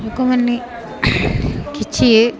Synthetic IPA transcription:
ukomɐnːi | kit͡ʃːi

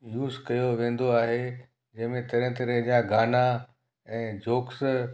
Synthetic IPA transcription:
juːzkɐjoʋẽːn̆d̪oaːɦe | d͡ʑɐ̃ɦmẽt̪ɐɾə̃t̪ɐɾəɦd͡ʑaːɡaːna | ɛ̃ːd͡ʑoːks

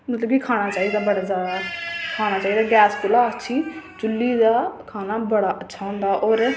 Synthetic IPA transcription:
mət̪ləbkiːkʰaːñaːt͡ʃaːid̪aːbəɽaːzjaːd̪aːkʰaːnaːt͡ʃaːiːd̪aːɡɛːspʊlaːətːʃʰiːt͡ʃʊlːiːd̪aːkʰaːnaːbəɽaːʔətːʃʰaːɦʊ̃ːnd̪aːʔoːɾ

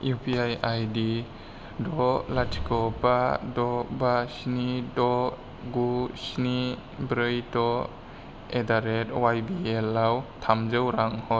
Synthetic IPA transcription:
jupʰiajajdi | dɔlatʰi̥kɔpadɔbasnidɔ | ɡusni | bɾɯjtɔ | edaɾetwajbielawtʰamzɯwɾaŋhɔ

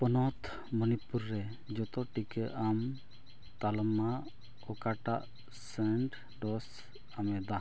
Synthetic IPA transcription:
pɔnɔt̪ | mənipuɾːɛ | d͡ʒɔt̪ɔʈikɛʔam | t̪alɔma | ɔkaʈaʔ | sɛɳʈ | ɖɔs | amɛd̪a

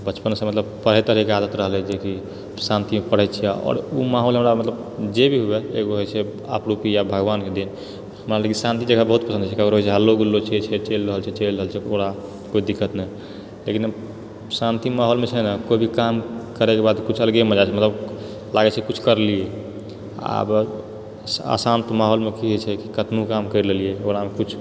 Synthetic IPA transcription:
bət͡ʃpənsə̃mət̪ləb̚pəɽ̤ɦɛet̪əɾikead̪ət̪ɾəɦlɛd͡ʒeki | sãnt̪imepəɽ̤ɛt͡ʃʰɛɔ̰ːɾumaɦolɦəmɾamət̪ləb | d͡ʒebʱiɦubeḛɡoɦojt͡ʃʰɛ | a̰pɾupijabʱəɡʋanked̪in | həmɾaləɡisãnt̪id͡ʒeɡʱabəɦut̪̚pəsə̃nd̪t͡ʃʰɛkəkoɾɦojt͡ʃʰɛɦəlːoɡulːot͡ʃʰɛt͡ʃʰɛt͡ʃelɾəɦəlt͡ʃʰɛt͡ʃelɾəɦəlt͡ʃʰɛoɽa | koid̪ikːət̪ne | lekin | sãnt̪imaɦolmet͡ʃʰɛnəkobʱikamkəɾɛkebad̪kut͡ʃʰəlɡemə̃d͡ʒat͡ʃʰɛmət̪ləb | laɡɛt͡ʃʰɛkut͡ʃʰkəɾlie | a̰b | a̰sant̪omaɦolmekiɦot͡ʃʰɛkikət̪nukamkəɪɾlelieoɽamekut͡ʃʰ

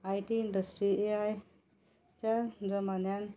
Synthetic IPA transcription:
ajʈiːɳɖəsʈɾieaj | t͡ʃaɾd͡ʒəmanjan

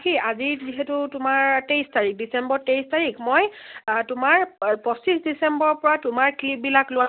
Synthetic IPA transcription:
kiaziɹziɦetʊtʊmaɹtejstaɹik̚disɛmbɔɹtejstaɹikmɔjtʊmaɹpɔsisdisɛmbɔɹpɔɹatʊmaɹklip̚bilaklʊwa

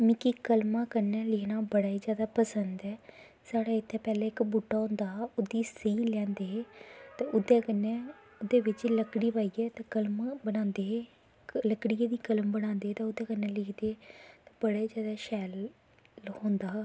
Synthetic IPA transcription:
mĩːkikəlmãːkənɛːlɪkʰnaːbəɽaːiːzjaːd̪aːpəsənd̪ɛː | saːɽaːɪt̪ʰːeːpɛːleːɪkbuːʈːaːɦõːnd̪aːʊd̪iːsiːlɛ̃ːnd̪eːɦːt̪eːʔʊd̪eːkənːɛː | od̪eːʋɪt͡ʃləkɽiːpaːiːɛːt̪eːkəlmbənãːnd̪eː | ləkɽiːeːd̪iːkələmbənãːnd̪eːt̪eːʊd̪eːkənɛːlɪkʰd̪eːt̪eːbəɽaːiːzjaːd̪aːʃɛːl | hõːnd̪aː

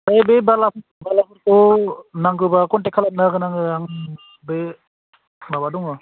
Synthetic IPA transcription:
ebebalapʰ | balapʰɯɾkɔnaŋkɯbakɔntekʰalap̚naɡɯnaŋɯaŋ | be | nabadɔŋa

